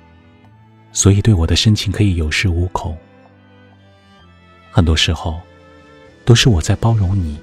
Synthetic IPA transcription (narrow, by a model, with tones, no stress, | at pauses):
swɔ˧˥i˨˩t̪we˥˩ɪwɔ˨˩d̪ə˦ʂə˥ŋt͡ɕʰi˧˥ŋkʰɤ˧˥i˧˥jo˨˩ʊʂɻ̩˥˩u˧˥kʰo˨˩˦ʊ | xə˨˩nt̪wɔ˥ʂɻ̩˧˥xo˥˧ʊ | t̪o˥ʊʂɻ̩˥˩wɔ˨˩t͡sa˥˩ɪpɑ˥ʊɻʊ˧˥ŋni˨˩˦